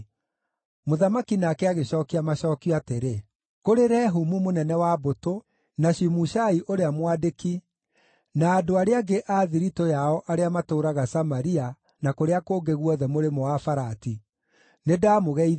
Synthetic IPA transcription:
moðamakinakɛaɣeɕɔːkiamaɕɔːkiateɾe | koɾeɾɛːɦumumonɛnɛwaboto | naɕimuʃaiʔoɾeamwadeki | naːdoaɾeaɡeʔaːðiɾitɔjaɔʔaɾeamatoɾaɣasamaɾia | nakoɾeakoːɡeɣwɔðɛmoɾemɔafaɾati | nedaːmoɣɛi

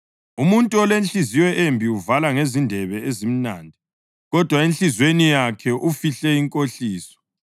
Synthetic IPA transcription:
umuntʼuɔlenɬiziwɛʔembʱiuvalaŋezindʱɛβɛezim̩naːndʱi | ɣɔd̥ʱwaenɬizwenijakʰɛʔufiɬɛiŋkʼoɬiːsɔ̥

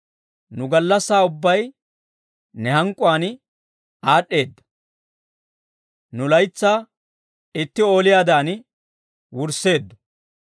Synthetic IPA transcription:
nʊɡɐlːɐsːaːʊbːɐj | nɛhɐŋkʼʊaːn | aːɗːe̞ːd̪ːɐ̥ | nʊlɐjt͡sːaː | ɪt̪ːɪo̞ːlɪjaːd̪aːn | wʊɾsːe̞ːd̪ːʊ̥

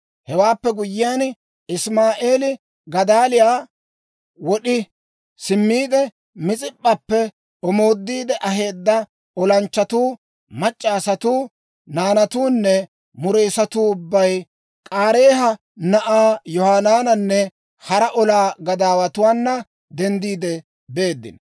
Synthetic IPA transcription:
hɛwaːpːɛɡʊjːɪjan | ɪsmaːʔeːlɪ | ɡɐd̪aːlɪjaː | wɔɗɪ | sɪmːiːd̪ɛ | mɪt͡sʼɪpʼːɐpːɛ | ɔmo̞ːd̪ːiːd̪ɛʔɐɦe̞ːd̪ːɐ | ɔlɐnt͡ʃːɐt̪uː | mɐt͡ʃʼːaːsɐt̪uː | naːnɐt̪uːnːɛ | mʊɾeːsɐt̪uːʊbːɐj | kʼaːɾe̞ːɦɐ | nɐʔaːjɔhaːnaːnɐnːɛ | hɐɾɐʔɔlaːɡɐd̪aːwɐt̪ʊwaːnːɐ | d̪ɛnd̪iːd̪ɛ | be̞ːd̪ːɪ̰n

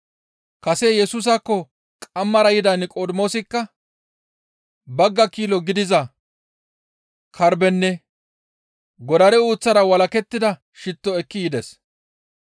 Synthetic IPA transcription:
kɐsejɛsuːs̬ɐkːɔ | kʼɐmːɐɾɐjɪd̪ɐnkʼoːd̪mo̞ːsɪkːɐ | bɐɡːɐkiːlɔɡɪd̪ɪzɐ | kʰɐɾbɛnːɛ | ɡɔd̪ɐɾɛuːt͡sːɐɾɐwɐlɐkɛt̪ːɪd̪ɐ | ʃɪt̪ːɔɛkːɪjɪd̪ɛs

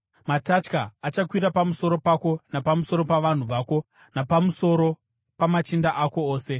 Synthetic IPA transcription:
matat͡ʃkaːt͡ʃakwiɾapamuso̞ɾo̞pako̞napamuso̞ɾo̞paʋan̤uʋaːko̞ | napamuso̞ɾo̞ | pamat͡ʃindaʔako̞oːse̞

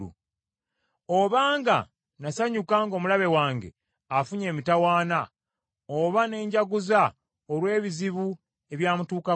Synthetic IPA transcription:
ṵ | oβaːŋɡa | nasaɲukaŋɡo̞ːmulaβe̞waːŋɡe̞̰ | afuɲe̞ːmitawaːna | oβane̞ːɲɟaɡuza | olwe̞ːβiziβu | e̞βjaːmutuːka

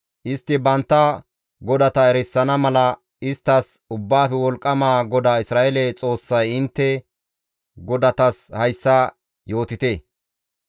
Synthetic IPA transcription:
ʔɪst̪ːɪbɐnt̪ːɐ | ɡɔd̪ɐt̪ɐɛɾɛsːɐnɐmɐlɐ | ɪst̪ːɐs | ʊbːaːfɛwɔlkʼːɐmaːɡɔd̪aːɪsɾaːʔɛlɛt͡sʼo̞ːsːɐjɪnt̪ːɛ | ɡɔd̪ɐt̪ɐshɐjsːɐ | jo̞ːt̪ɪt̪eː

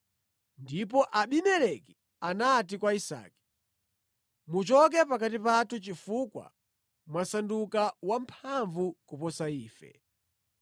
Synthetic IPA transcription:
ndip̬ɔʔaɓinɛlɛki | anat̬ikwaisa̰ːki̥ | mut͡ʃɔk̬ɛpak̬at̬ipatut͡ʃifukwa̰ | mwasandukawampʰaɱvukupɔsaiːfɛ̰

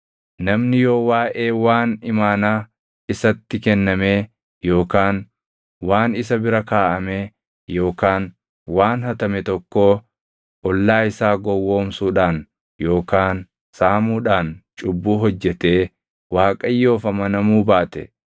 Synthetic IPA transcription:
nɐmnɪjo̞ːwaːʔe̞ːwaːnɪmaːnaː | ɪsɐt̪ːɪkɛnːɐmeː | jo̞ːkaːn | waːnɪsɐbɪɾɐkaːʔɐmeː | jo̞ːkaːn | waːnhɐt̪ɐmɛt̪ɔkːoː | ʔɔlːaːɪsaːɡɔwːo̞ːmsuːᶑaːn | jo̞ːkaːn | saːmuːᶑaːnt͡ʃʼʊbːuːɦɔd͡ʒːɛt̪eː | waːkʼɐjːo̞ːfɐmɐnɐmuːbaːt̪ɛ

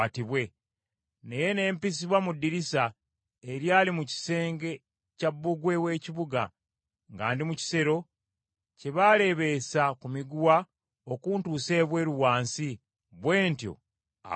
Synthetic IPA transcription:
atiβwe̞ | ne̞je̞ne̞ːmpis̬iβwamudːiɾisa | eɾjaːlimuci̥se̞ːŋɡe̞ | cabːuɡwe̞we̞ːciβuɡa̰ | ŋɡa̰ːndimuci̥se̞ɾo̞ | ce̞βaːle̞βe̞sakumiɡuwa | okuntuːse̞ːβwe̞ːɾuwaːnsi | βwe̞ːntjo̞̰ | a̰

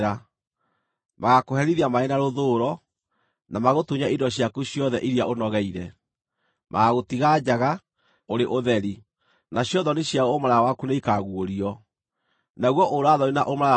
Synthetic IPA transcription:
ɾa | maɣakohɛɾiðiamaenaɾoðoɾɔ | namaɣotuɲaidɔɕjakuɕjɔðɛʔiɾijaonɔɣɛiɾɛ | mʔa̰ɣaɣotiɣad͡ʑaɣa | oɾeʔoðɛɾi | naɕjɔðɔneɕjaoomaɾajawakuneikaɣuoɾiɔ | naɣwɔʔoɾoaðɔɾinaʔomaɾa

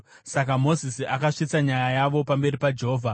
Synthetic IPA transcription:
sakamo̞zisiakaʂit͡saɲajajaʋo̞pambe̞ɾipad͡ʒe̞ɦoːvʱa

